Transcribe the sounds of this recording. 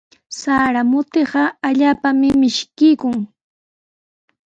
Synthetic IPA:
saɾamʊt̪ɪɢɑaʎaːpamɪmɪʃkɪjkʊŋ

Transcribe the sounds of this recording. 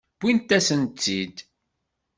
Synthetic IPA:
b̥int̪ːæsənt͡sːid̪

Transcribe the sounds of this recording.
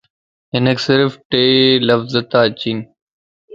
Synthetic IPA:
ɦɪneksɪɾfʈeːləfzət̪aːt͡ɕiːn

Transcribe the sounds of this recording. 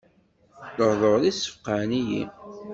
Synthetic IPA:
ləɾðˤəɾˤðisːə̥fqanijḭ

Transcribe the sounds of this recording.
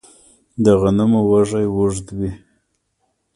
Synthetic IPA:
d̪əɣanamawaʐajwuʐd̪bi

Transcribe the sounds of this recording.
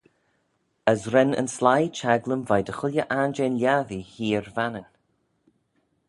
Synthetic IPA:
əzɾɛnə̰nslajt͡ʃʰɛɡlˠəmvajdəxʊlʲjəʔand͡ʒenljaðihiːɹvanən

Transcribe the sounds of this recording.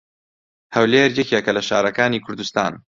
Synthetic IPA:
hɐwleːɾjɛkiɛkɐlɐʃa̰ːɾɐkaːniːkʰʊɾd̪ust̪a̰ːn

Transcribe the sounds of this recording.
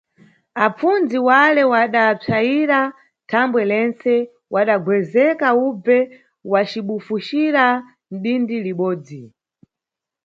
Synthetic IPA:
ap͡fund͡ziwalɛwaɗab͡ʐʰajiɾa | tʰambwɛlɛnt͡sɛ | waɗaɡwɛzɛkaub͡vɛ | wat͡ʃiɓufuʃiɾa | n̩ɗindiliɓɔːd͡zi

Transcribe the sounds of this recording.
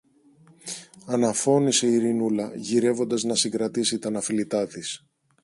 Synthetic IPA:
ɐnɐfo̞niseiɾinulɐʝiɾe̞vo̞nd̪ɐznɐsiŋɡɾɐt̪isit̪ɐnɐfilit̪ɐt̪is

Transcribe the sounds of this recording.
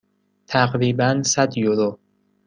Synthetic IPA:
t̪ʰæqɾiːbænsæd̪joɾo

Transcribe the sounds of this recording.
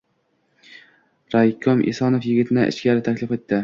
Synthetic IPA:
ɾajkʲʰomʔɪ̰sɒnofjɪɡʲɪt̪ʰɪnɪʔɪ̰t͡ʃkʲaɾɪt̪ʰakʲlɪfet̪ʰːɪ

